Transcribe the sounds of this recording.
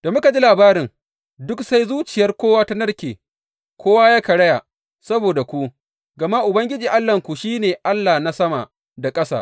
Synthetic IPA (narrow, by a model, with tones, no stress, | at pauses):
d̥a˨mʊ˦ka˨d͡ʒi˦laː˨baː˦ɾɪ˨ŋ | dʊ˦ksa˦jzuː˦t͡ʃɪ˨jɐ˦rkʷoː˦waː˦ta˦nɐ˦rkʲeː˨ | kʰʷoː˦waː˦jaː˦kɐ˨ɽɐ˦ja˨ | sɐ˦boː˨da˨kʷu˦ | ɡɐ˨ma˦ʔʊ˨bɐ˦ŋɡʲɪ˦d͡ʒiː˨ʔa˦lːɐ˨ŋkʷu˨ʃiː˦neː˨ʔa˦lːa˨na˦sɐ˦ma˨ | da˨kʼɐ˦sa̰˦˨ʔ